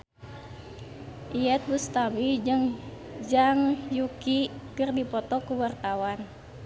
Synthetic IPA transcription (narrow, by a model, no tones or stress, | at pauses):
ʔiɛt̪̚bust̪abid͡ʒəŋ | d͡ʒaŋjukikɨrdipɔt̪ɔkuwart̪awan